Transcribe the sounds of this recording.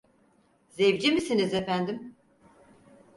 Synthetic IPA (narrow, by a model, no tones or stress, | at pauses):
zevd͡ʒimisinizefænd̪im